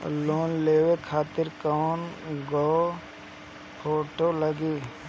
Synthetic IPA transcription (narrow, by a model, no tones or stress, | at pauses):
loːnleːwekʰaːt̪ɪɾkanɡɔo | pʰoːʈoləɡiː